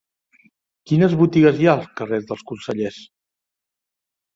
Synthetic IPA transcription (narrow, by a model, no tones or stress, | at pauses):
kinəzβut̪iɣəzjaəlˠskərezðəlˠskunsəʎes